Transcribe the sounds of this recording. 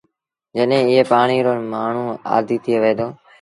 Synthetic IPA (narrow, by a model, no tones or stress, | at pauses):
d͡ʒəɗɦẽːɪɦeːpaːɳ̃iːɾoːmaːɳ̤uːa̰ːd̪ʱiːt̪ʰɪjeːʋeeːd̪oː